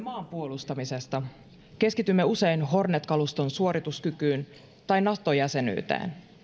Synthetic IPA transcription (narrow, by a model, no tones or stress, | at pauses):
mɑːmpuo̞lust̪ɑmise̞st̪ɑ | ke̞skit̪ymːe̞use̞jnɦo̞rnet̪kɑlust̪o̞nsuo̞ɾit̪uskykyːn | t̪ɑjnɑht̪ojæse̞ny̰ːt̪æ̰ːn